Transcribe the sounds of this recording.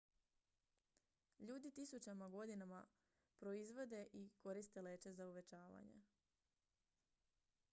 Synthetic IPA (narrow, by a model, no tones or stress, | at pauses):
ʎuːd̪it̪isut͡ɕamaɡo̞d̪inama | pɾo̞izʋo̞d̪e̞ʔiko̞ɾist̪e̞le̞ːt͡ʃe̞zauʋe̞t͡ʃaːʋa̰ɲḛ